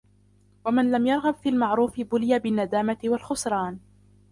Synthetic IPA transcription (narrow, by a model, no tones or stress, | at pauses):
wamɪnlamjɑɾˤɣabfiːlmɑʕɾuːfɪbʊlɪjabɪnːad̪aːmat̪ɪwalxʊsɾˤɑːn